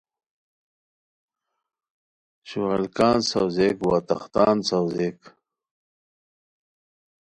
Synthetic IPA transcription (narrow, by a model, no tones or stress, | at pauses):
ɕuɐlkaːnsɐwzeːkwaːt̪ɐ̰χt̪aːnsawzeːk